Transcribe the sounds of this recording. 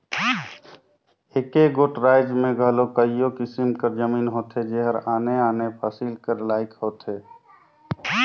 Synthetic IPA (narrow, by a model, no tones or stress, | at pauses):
ekeɡoːʈɾaːɪd͡ʒmẽɡʱəlokəijokɪsimkəɾd͡ʒəmiːnɦoːt̪ed͡ʒeɦəɾaːneaːnepʰaːsilkəɾlaːɪkɦoːt̪ɦeː